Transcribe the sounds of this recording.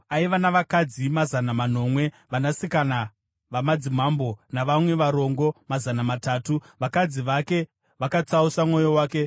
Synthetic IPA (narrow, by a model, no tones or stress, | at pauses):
aiʋanaʋakad͡zimazanamano̞ːmwe̞ | ʋanasikana | ʋamad͡zim̤ambo̞naʋamwe̞ʋaɾo̞ŋɡo̞mazanamataːtuʋakad͡ziʋake̞ | ʋakat͡sausamŋo̞jo̞waːke̞